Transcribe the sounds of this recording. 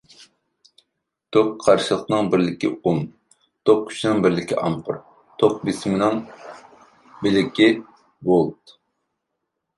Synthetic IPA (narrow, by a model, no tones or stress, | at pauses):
d̪̥oqʰːɑɾʃɨlˠəqnɨŋbɪɾlɪkʲḭum | d̪̥oq̚kʲʰy̥ʃinɨŋbɪɾlɪkʲiʔɑmpʰɨɾ | t̪ʰoq̚bismɪnɪŋ | bɪlɪkʲi | bolˠt̪